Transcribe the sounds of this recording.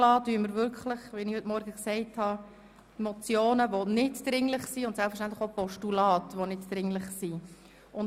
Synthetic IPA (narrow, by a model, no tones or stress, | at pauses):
lɑːtyəməɾvʏɾkχləχʋinɪhɵtmɔɾɡəksɛɪthɑ | mɔt͡sjoːnəʋonɪdd̥ɾɪŋləχsiʊntsɛlpfəʃ̬tænt̪ləχopɔʃtulɑːtʋonɪdd̥ɾɪŋlɪχsi | ʊn